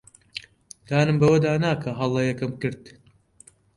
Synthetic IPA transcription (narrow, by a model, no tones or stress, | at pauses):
d̪̥aːnɨmbɐwɐd̪aːnaːkʰɐɦɐlˠɐjɛkɨmkɨɾd̪